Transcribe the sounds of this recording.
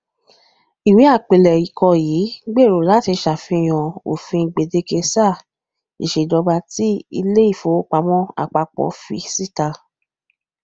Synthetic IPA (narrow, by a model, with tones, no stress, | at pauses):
i˨wĩ˨˦a˦˨k͡pe˨lɛ˨i˨kʰɔ˧jiː˨˦ɡ͡be˦˨ɾo˨la˨˦ti˧ʃa˨fĩ˧˨j̃ɔ̃˨o̰˨fĩ˧˨ɡ͡be˨de˧ke˧sa˦˨ | ḭ˨ʃe˨dɔ˨˧ba˧ti˦ḭ˧le˦i˦˨fo˨˦k͡pa˧˦mɔ̃˦a̰˨k͡pa˧k͡pɔ̰˨˦fḭ˧si˦˨ta˧